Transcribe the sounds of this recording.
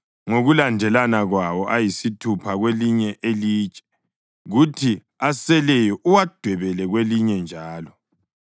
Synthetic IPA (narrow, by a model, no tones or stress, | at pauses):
ŋoɣulandʱɛlanaɣwawɔʔajisitʰupʰaɣweliɲɛʔeliːt͡ʃʼɛ̥ | ɣutʰi | asɛlɛjɔʔuwad̥ʱwɛβɛlɛɣweliɲɛnd͡ʒʱaːlɔ